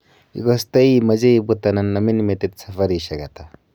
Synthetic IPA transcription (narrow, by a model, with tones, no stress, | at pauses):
ḭ˨kɔst̪a˦i˦ma˨d͡ʒe˦ibut̪a˨na˨nːa˨mi˦nimet̪et̪safaɾiʃa˨ɡa˨t̪a